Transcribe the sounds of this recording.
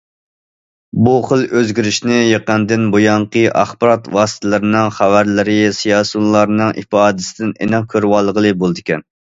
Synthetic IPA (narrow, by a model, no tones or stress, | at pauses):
buχəlˠøzɡʲiɾyʃnɪjeqənd̪ɪnbojɑɴqəʔɑ̰χbɨɾɑt̪wɑːst̪ʰɪlˠɨɾɪnɨŋχævæɾlɪɾɪsijɑːsunlˠɑɾnɨŋʔḭfɑːd̪ɪsɪd̪ɪnḛnɑq̚kʲʰøɾwɑlˠːəʁəlˠɨbolˠd̪ɪkʲɛn